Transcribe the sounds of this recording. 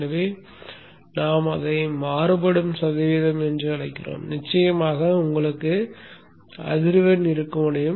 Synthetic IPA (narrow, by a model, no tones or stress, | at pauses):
ɐʋeː | naːmɐðɐɪmaːɾɯbɐɽɯmsɐðɐʋiːðɐmɛndrɯɐɭɐɪkːɪro̰ːmnɪt͡ʃːɐjɐmaːɣɐʊŋɡɐɭɯkːɯ | ɐ̰ðɪɾɯʋɐnɪɾɯkːɯmɐɽɐjɯm